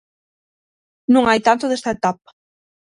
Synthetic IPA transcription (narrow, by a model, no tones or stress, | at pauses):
nũŋajt̪ant̪oðest̪ɐet̪apḁ